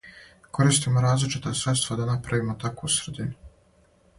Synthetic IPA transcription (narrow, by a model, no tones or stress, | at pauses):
ko̞ɾiːst̪imoɾaːzlit͡ʃit̪asɾet̪st̪vad̪anapɾaʋimot̪akusɾed̪inu